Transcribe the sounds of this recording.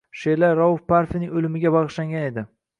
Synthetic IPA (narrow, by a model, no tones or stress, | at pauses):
ʃelaɾɒʊfpaɾfɪnɪŋʲolɪmɪɡʲabɑʁɨʃlaŋɡʲane̞d̪ɪ